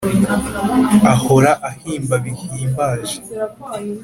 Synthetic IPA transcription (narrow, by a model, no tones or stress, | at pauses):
aho̞ɾaʔahiːmbaβihiːmbaːʒe